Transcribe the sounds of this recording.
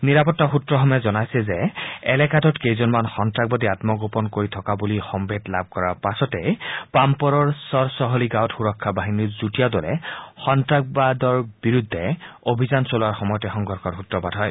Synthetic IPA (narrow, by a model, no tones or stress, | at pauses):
niɹapɔtːaxutɹɔxɔmɛzɔnajsɛzɛɛlɛkatɔtkejzɔnmanxɔntɹaɡ̚badiatmɔɡopɔnkoɹitʰɔkabulixɔmbedla̰b̚ʱkɔɹaɹpasɔtɛpampɔɹɔɹsɔɹsɔɦɔliɡaɔtxuɹɔkʰːabaɦiniɹzutijadɔlɛxɔntɹak̚badɔɹbiɹudʱːɛobʱizansolʊaɹxɔmɔjɔtɛxɔŋɡʱɔɹkʰɔxutɹɔpadɦɔj